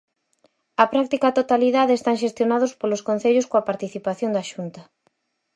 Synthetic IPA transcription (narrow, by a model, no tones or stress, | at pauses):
ɐpɾak̚t̪ikat̪ot̪aliðaðeest̪aŋʃest̪jonað̞ospoloskon̟θeʎʊskoɐpaɾt̪iθipaθjond̪ɐʃunt̪ɐ